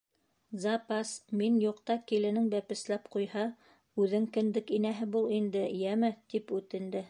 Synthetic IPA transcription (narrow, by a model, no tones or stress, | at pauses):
zɑpɑsminjuqt̪ɑkilɘ̆nɘŋbæpɘ̆slæpqujhɑ | ʉðɘŋkɘ̆nd̪ɘkinæɦɘbulˠind̪ɘjæmɘt̪ipʉt̪ɘ̆nd̪ɘ